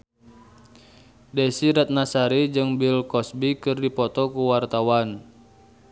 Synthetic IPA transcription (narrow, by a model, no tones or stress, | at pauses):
dɛsiɾat̪̚nasaɾid͡ʒɨŋbilkɔsbikɨrdipɔt̪ɔkuwart̪awan